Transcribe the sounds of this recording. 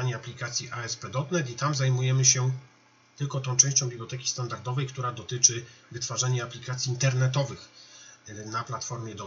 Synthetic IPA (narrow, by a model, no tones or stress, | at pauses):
aɲɛaplʲikat̪sʲjiʔaɛspɛd̪ɔt̪nɛt̪it̪amzajmujɛmɘɕɛ | t̪ɘlkɔt̪ɔ̃w̃t͡ʂɛ̃w̃ɕt͡ɕɔ̃wbʲiblɔt̪ɛkʲist̪and̪aɾd̪ɔvɛjkt̪uɾad̪ɔt̪ɘt͡ʂɘvɘt̪faʐaɲɛaplʲikat̪sʲiːnt̪ɛɾnɛt̪ɔvɘx | naplat̪fɔɾmʲjɛd̪ɔ